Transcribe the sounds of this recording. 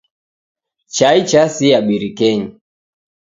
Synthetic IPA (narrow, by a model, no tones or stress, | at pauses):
t͡ʃait͡ʃasiaɓiɾikɛɲi